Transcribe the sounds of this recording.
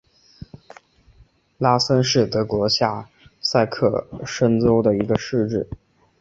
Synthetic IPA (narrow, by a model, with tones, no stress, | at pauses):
la˥sə˥nʂɻ̩˥˩t̪ɤ˧˥kwɔ˧˥ɕja˥˩ | sa˥˧ɪkʰɤ̰˥˩ʂə˥nt͡so˥ʊd̪ə˨i˧˥ɡə˧ʂɻ̩˥˧ʈ͡ʂɻ̩˥˩